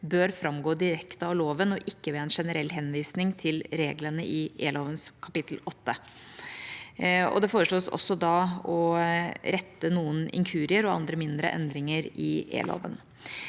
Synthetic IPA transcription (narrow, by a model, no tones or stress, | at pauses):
bøːɾfɾɑmɡoːd̪ɪɾɛkt̪əɑʋloːʋənɔʔɪkːəʋeːɛnʂɛnəɾɛlːɦɛnʋiːsnɪŋt̪ʰɪlɾeːɡlənəʔɪḛːloːʋənskʰɑpɪt̪lɔt̪ːə | ɔ̰d̪ɛfoːɾəʂɭloːsɔ̰sːɔd̪ɑɔ | ɾɛt̪ːənuːənɪ̰ŋkʰʉːɾɪəɾɔɑ̰nd̪ɾəmɪnd̪ɾə̰ʔɛ̰nd̪ɾɪŋəɾɪḛːlo̰ːʋə̰n